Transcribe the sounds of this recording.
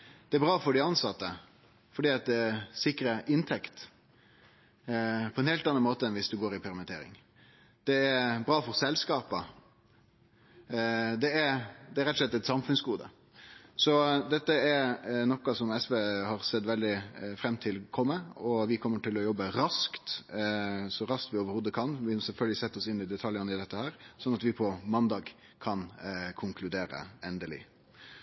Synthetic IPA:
d̪̥ɛæɾbɾɑːfɔɖɪɑnsɑt̪ːə | fɔɖiːɑt̪̚d̪ɛsɪkɾəʔɪnt̪ʰɛkt̪ | pʰɔɛnhɛːlt̪ɑnɑnmoːt̪əɛnʋɪsd̪ʉɡoːɾɪpʰɛɾəmɛt̪ʰeːɾɪ̰ŋ | d̪̥ɛːɾbɾɑːfɔɾsɛlskɑːpə | d̪ɛæɾd̪ɛːɾɛt̪ɔslɛt̪ːɛt̪sɑmfʉnsɡuːd̪ə̰ | sɔd̪ɛt̪ːəɛɾnɔkːɑsɔmɛsʋeːhɑɾsɛt̪ːʋɛld̪ɪfɾɛmt̪ʰɪlkʰɔmːəɔʋɪkʰɔmːəʈɪlɔjɔbːəɾɑskt̪ | sɔɾɑskt̪ʋɪoːʋəɾhuːd̪əkʰɑnʋɪsɛlfœlɡəlɪsɛt̪ːəɔsɪnːɪd̪ɛt̪ʰɑljənɪd̪ɛt̪ːəhæːɾsɔnːɑt̪ʋɪpʰɔmɑnd̪ɑːɡ | kʰɑnkʰʊŋkʰlʉd̪eːɾə̰ɛnd̪əlɪ̰

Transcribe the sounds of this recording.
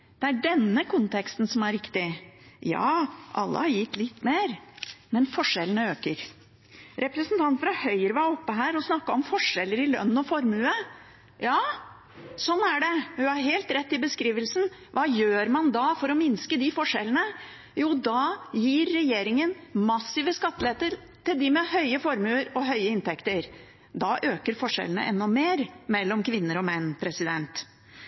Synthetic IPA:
d̪̥ɛæɖɛnːəkʰʊnt̪ʰɛkst̪nsɔmæɾɾɪkt̪ɪjɑ̰ːʔɑ̰lːə̰hɑɾjɪt̪ːlɪt̪ːmeːɾmɛnfɔʂɛlːənəøːkəɾ | ɾʔɛpɾəsnt̪ʰɑnt̪fɾɑhœʏɾəʋɑɔpːəɦæːɾɔsnɑkːɑɔmfɔʂɛlːəɾɪlœ̰nːɔfɔɾmʉːə | jɑː | sɔnːæɖɛhʉhɑɾɦeːlt̪ɾɛt̪ːɪbəskɾiːʋəlsn̩ʋɑːjøːɾmɑnd̪ɑːfɔɾɔmɪnskəd̪ɪfɔʂɛ̰lənə | juːd̪ɑːjiːɾːɛjeːɾɪŋənmɑsːɪʋəskɑt̪ːlɪeːt̪əɾ | t̪ɪld̪ɪmɛhœʏəfɔɾmʉːəɾɔɦœʏəɪnt̪ɛkt̪əɾ | d̪ɑːʔøːkəɾfɔʂɛ̰lənə̰ʔɛ̰nːɔmeːɾmɛlːɔmkʰʋɪnːəɾɔmɛnːpʰɾɛsɪd̪ɛnt̪

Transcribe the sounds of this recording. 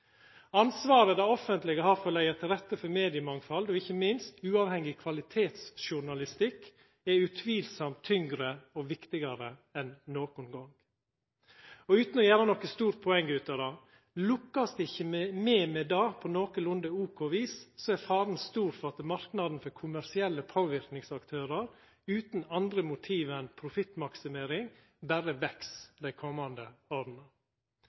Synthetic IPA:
ɑnsʋɑːɾəd̪ɑɔfənt̪lɪɡəhɑɾfɔɭæɪəɾt̪ʰɪlɾɛt̪ːəfɔɾmeːd̪ɪəmɑŋfɑld̪ɔɪçːəmɪnst̪ʉːɑːʋhɛŋɪkʰʋɑlɪt̪ʰeːt̪sʃʊɳɑlɪst̪ɪkː | ɛʉt̪ʰʋiːlsɑmt̪ʰːʏŋɡɾəɔʋɪkt̪ɪɡɑɾəɛnːoːkʊnɡɔŋ | ɔʉːt̪n̩ɔjæːɾənɔkːəst̪uːɾpʰɔɛŋːʉːt̪ɑʋd̪ɑː | lʊkːɑsd̪ɛɪçəmeːmɛd̪ɑːpʰɔnoːkəlʊnd̪əuːkʰoʋiːssɔæɾfɑːɾn̩st̪uːɾfɔɾɑt̪əmɑɾknɑd̪n̩fɔɾkʰʊmæɾsɪɛlːəpʰoːʋɪɾknɪŋsɑkt̪ʰøːɾɑɾ | ʉːt̪n̩ɑnd̪ɾəmʊt̪ʰiːʋɛnpʰɾʊfɪt̪mɑksɪmeːɾɪŋ | bæɾəʋɛksd̪æɪkʰɔmːɑnd̪əoːd̪n̩ə

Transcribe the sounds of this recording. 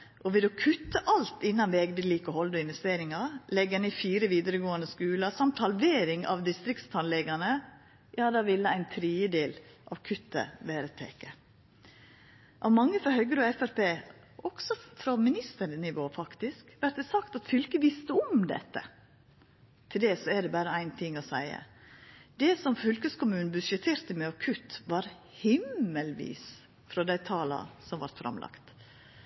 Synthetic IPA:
ʔɔʋɪlɔkʰʉt̪ːəʔɑlt̪ɪnːɑnʋeːɡbɪliːkɔhɔld̪ɔɪnʋɛst̪eːɾɪŋɑlɛɡːənɪfiːɾəʋiːd̪əɾəɡoːənəskʉːlɑsɑmt̪hɑlʋeːɾɪŋɑ̰ʋd̪ɪst̪ɾɪkt̪st̪ʰɑnlɛɡɑnə | jɑːd̪ɑʋɪlːəæɪnt̪ʰɾiːəd̪eːlʔɑ̰ʋkʰʉt̪ːə̰ʋeːɾət̪ʰḛːkə | ʔɑ̰ʋmɑŋːəfɾɑɦœɡəɾɔɛfæɾpeː | ʔɔɡ̥sɔfɾɔmɪnɪst̪əɾnɪʋoːfɑkt̪ɪskʋæʈ̪̚d̪ɛsɑkt̪ɑt̪fʏlkəʋɪst̪əɔmd̪ɛ̰t̪ːə̰ | t̪ʰɪld̪ɛsɔɛɖ̪ɛbæːɾəæɪnt̪ʰɪŋːɔsæɪə̰d̪ɛsɔmfʏlkəskʊmʉːnbʉʂɛt̪ʰeːɾt̪əmɛɔkʰʉt̪ːʋɑːɾ | hɪmːəlʋḭːs | fɾɔd̪æɪt̪ʰɑːlɑ̰sɔmʋɑɾt̪fɾʔɑ̰mlʔɑ̰kt̪

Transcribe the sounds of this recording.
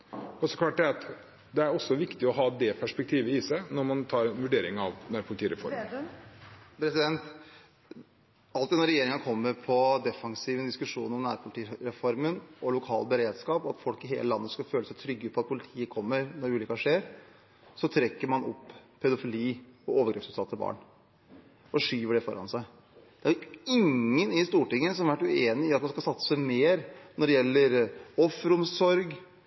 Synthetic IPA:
ɔsɔkʰlɑːʈ̚d̪ɛɑt̪ | d̪ɛæɾɔsːɔʋɪkt̪ɪɔɦɑːd̪ɛpʰæʂpɛk̚t̪ʰiːʋəɪsæɪnɔɾmɑnt̪ʰɑːɾɛnʋʉɖeːɾɪŋɑʋ̪næːɾpʰʊlɪt̪ʰiːɾɛfɔ̰ɾ | pʰɾɛsɪd̪ɛnt̪ | ɑlt̪ɪnɔɾːɛjeːɾɪŋənəkʰɔmːəɾpʰɔd̪ɛfɑŋsiːʋɛnd̪ɪskʉʂuːnɔmnnæːɾpʰʊlɪt̪ʰiːɾɛfɔɾmənʔɔlʊkʰɑ̰ːlbəɾeːd̪skɑːpɔɑt̪fɔlkɪɦḛːləlɑnːəskɑføːləsæɪt̪ʰɾʏɡːəpʰɔɑt̪̚pʰʊlɪt̪ʰiːəkʰɔmːəɾnɔɾʉːlʏkɑʂeːɾ | sɔt̪ʰɾɛkːəɾmɑnɔ̰pːpʰɛd̪ʊfɪliːɔoːʋəɡɾɛːpsʉːt̪ʰɑlt̪ʰːəlbɑ̰ːɳ | ɔʂyːʋəɖɛfɔɾɑ̰nsæɪ | d̪̥ɛæɾjɪŋːənɪst̪uːʈɪŋːəsɔmhɑɾʋæʈːʉeːnɪɪɑt̪̚mɑnskɑlsɑt̪sə̥sæɪmeːɾnɔɖɛjɛlːəɾɔfɾʊmsɔɾɡ

